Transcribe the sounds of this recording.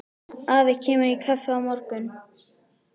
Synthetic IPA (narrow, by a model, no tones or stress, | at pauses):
aːvɪcʰɛːmʏɾikʰafawmɔɾkʏn